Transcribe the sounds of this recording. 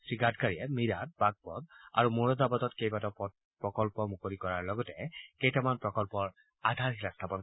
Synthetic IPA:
sɹiɡatkaɹiɛmiɹat̚baɡ̚bɔ̰d̚a̰ɹumoɹɔzabatɔtkejbatɔp | pɹɔkɔlpɔmukolikɔɹaɹlɔɡɔtɛkejtamanpɹɔkɔlpɔɹ | adʱaɹxilastʰapɔn

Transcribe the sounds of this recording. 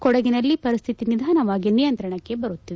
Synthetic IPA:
kɔɽɐɡinɐlːipɐɾist̪ʰit̪inid̪ʱaːnɐʋaːɡinijɐnt̪ɾɐɳɐkːe̞bɐɾut̪ːiʋe

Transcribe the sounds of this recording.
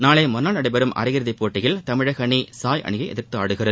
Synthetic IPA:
naːɭeːmʊnːaːlnɐɽɐɪbɐɾɯmʔɐ̰ɾɪjɪɾðɐɪpːoːʈːɪjɪlt̪ɐmɪɻɐɣɐɳisaːjʔɐ̰ɳɪɣɐɪʔɛ̰ðɪɾt̪ɯaːɽɯɣɪrɐðɯ

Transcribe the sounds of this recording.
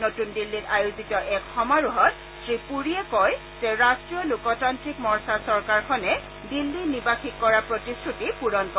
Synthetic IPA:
notundilːitajuzitɔʔɛkxɔmaɹuɦɔt̚ | sɹipuɹiɛkɔj | zɛɹastɹijɔlʊkɔtantɹikmɔɹsaɹsɔɹkaɹkʰɔnɛ | dilːinibaxikːɔɹapɹotistɹutipuɹɔnkɔ

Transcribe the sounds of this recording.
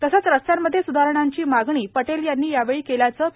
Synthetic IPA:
t̪əsat͡sɾəst̪jamːəd̪ʱːjesud̪ʱaɾəɳ̃aɲt͡ɕiːmaɡɳiːpəʈeljanːiːjaʋeɭiːkeljat͡səː

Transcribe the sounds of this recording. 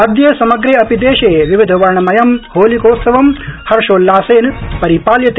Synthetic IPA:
ɐd̪jeːsɐmɐɡɾeːɐpid̪eːʃeːʋiʋid̪ʱɐʋɐɾɳɐmɐjɐmhoːlikoːt̪sɐʋɐmhɐɾʃoːlːaːseːnpɐɾipaːljɐt̪e

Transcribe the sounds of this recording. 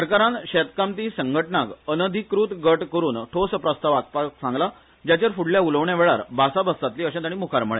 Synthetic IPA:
səɾkaɾãnɕɛt̪kamt̪ĩsəŋɡʱəʈɳakənəd̪ʱikɾuːt̪ɡəʈkəɾuːnʈʰospɾəst̪aʋak̚paksãŋɡla | d͡ʑjat͡ɕaɾfuɽljauləʋɳjaʋeɭa̰ɾbʱasabʱəst̪at̪liːəɕẽt̪aɽ̃ĩmukʰaɾməɭẽ

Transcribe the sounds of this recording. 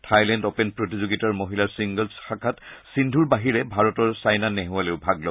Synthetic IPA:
tʰajlɛndɔpɛnpɹotizoɡitaɹmoɦilaɹsiŋɡɔlsxakʰatsindʱuɹbaɦiɹɛbʱaɹɔtɔɹsajnaneɦualeʊbʱaɡlɔ

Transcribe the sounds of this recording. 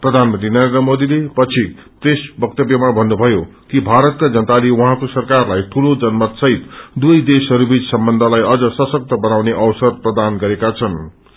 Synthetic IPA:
prʌd̪ʱanmʌnt̪rinʌɾend̪rʌmod̪ilepʌt͡sʰit̪esbʌk̚t̪ʌbjʌmabʱʌnːubʱʌjokibʱaɾʌt̪̚kad͡zʌnt̪aliwʌɦãkosʌrkarlajʈʰulod͡zʌnmʌt̪sʌɦit̪d̪ujd̪esʌɾubid͡zsʌmbʌnd̪ʱʌlajʌd͡zʌsʌsʌk̚t̪ʌbʌnawneʔʌwsʌrprʌd̪anɡʌɾekat͡sʰʌn

